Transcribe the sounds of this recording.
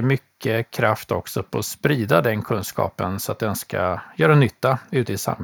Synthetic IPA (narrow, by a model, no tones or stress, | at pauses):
mʏkʰːəkʰɾaft̪ɔksɔpʰɔɔspɾiːd̪ad̪ɛnkʰɵnskɑ̰ːpənsɔat̪̚d̪ɛnska̰jœːɾanʏt̪ːaʉ̟ːt̪əɪsa̰m